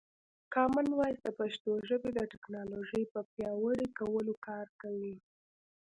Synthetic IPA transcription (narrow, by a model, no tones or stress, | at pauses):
kɑmanwɑjsd̪əpaʃt̪oʒəbed̪əʈɪknɑloʒəjpəpjɑwəɽikawəlokɑɾkawi